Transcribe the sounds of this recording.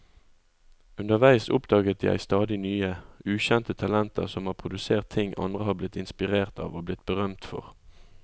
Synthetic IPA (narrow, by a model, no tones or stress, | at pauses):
ʉnəʁʋæɪsʊ̰pd̪ɑːɡət̪jæ̰ɪst̪ɑːd̪ɪnyːəʉːçɛnt̪ət̪ʰɑlɛnt̪ʰə̰ʁsɔmhɑːpʰʁʊd̪ʉseːʁt̪ʰːɪŋʔɑ̰nd̪ʁəhɑːblɪt̪ɪnspɪʁeːʁt̪ʰɑ̰ːʋoːblɪt̪̚bəʁœmt̪fɔ̰ʁ